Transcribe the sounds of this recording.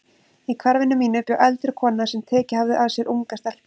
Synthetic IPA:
ikʰvaɾvɪnːʏmiːnʏt̪ʏʔɛlt̪ɾʏkʰɔːnːasɛmt̪ʰɛːcɪhavðɪʔaðsjɛɾʔuŋkast̪al̥

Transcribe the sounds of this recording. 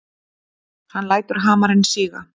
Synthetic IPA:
hanːlaːjt̪ʏɾ̥ɦaːmaɾɛnːsiːɣa̰

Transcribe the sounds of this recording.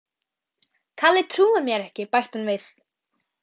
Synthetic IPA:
kʰalɪt̪ʰɾuːvʏmjɛɾɛhcɪpajht̪anvɪθ

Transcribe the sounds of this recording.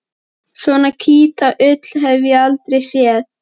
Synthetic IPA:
sɔnacʰiːt̪aʔʏt̪l̥ɦɛvjɪalt̪ɾejsjɛð

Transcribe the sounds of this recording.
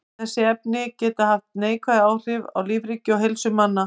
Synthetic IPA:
θɛsːɪɛp̚nɪcɛːt̪ahaft̪̚neːjkʰvaðɪaːwr̥ɪva̰wliːvɾicːɪɔɦɪlsʏmanːa

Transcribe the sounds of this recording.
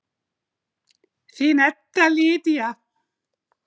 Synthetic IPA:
θinɛt̪ːaliːt̪ija

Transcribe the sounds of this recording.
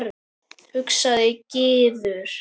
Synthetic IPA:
ɾ | hʏksaðɪcɪːðʏɾ̥

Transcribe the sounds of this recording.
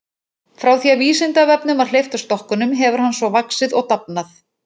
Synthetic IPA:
fɾawθiaviːsɪnt̪avɛpnʏmvaɾ̥l̥ejft̪ḁst̪ɔhkʏnʏmɦɛvʏɾ̥hɦanːsvɔvaksɪðɔɣt̪ap̚naθ

